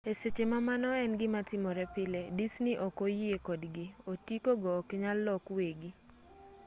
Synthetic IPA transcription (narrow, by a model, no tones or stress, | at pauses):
eset͡ʃemamanɔɛnɡɪmatɪmɔɾɛpɪledisniʔokojiekɔdɡɪotikoɡɔːkɲalːɔkweɡi